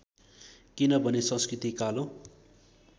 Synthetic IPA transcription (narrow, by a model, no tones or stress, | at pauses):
kinʌbʱʌnesʌ̃nskrit̪ikalõ